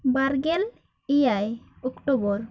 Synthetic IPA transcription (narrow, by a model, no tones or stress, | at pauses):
baɾɡel | ejaj | ɔkʈobɔɾ